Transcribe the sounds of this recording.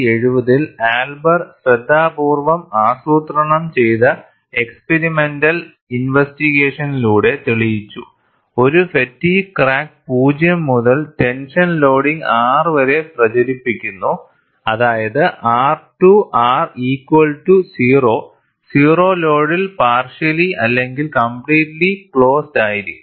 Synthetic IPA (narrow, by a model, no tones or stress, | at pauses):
e̞ɻuʋɐðilaːlbɐrɕɾɐd̪ʱːaːbuːrʋɐmaːsuːt̪rɐɳɐmt͡ɕe̞jðɐ | ekspeɾime̞ndɐl | inʋestiɣeːʂɐniluːɽe̞t̪iɭijit͡ɕːu | o̞ɾufetːikraːk̚puːd͡ʑjɐmːuðɐlte̞nʂɐnlo̞ːɽiŋaːrʋɐɾe̞prɐt͡ɕɐɾipːikʲːunːu | ɐðaːjɐðɨʔaːrʈuʔaːriːkwɐlʈusiːro̞ː | siːro̞ːlo̞ːɽilpaːrʂɐliɐlːe̞ŋɡilkɐmpɭiːʈlikɭo̞ːstaːjiɾi